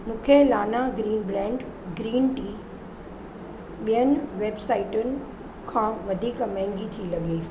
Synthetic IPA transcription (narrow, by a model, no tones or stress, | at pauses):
mũːkʰelaːnaɡɾiːnbɾɛ̃ːɳɖ | ɡɾiːnʈiː | ɓijənɪ̆ʋeːbsaːɪʈʊnɪ̆ | kʰãːʋɐd̪ʱiːkmɛ̃ɦɪ̃ŋɡit̪ʰilɐɡeː